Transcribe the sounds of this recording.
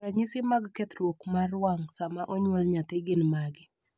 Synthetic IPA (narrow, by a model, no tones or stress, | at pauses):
aɲɪsɪmaɡkɛt̪ɾwokmarwaŋsamaʔɔɲwɔlɲat̪eɡɪnmaɡɪ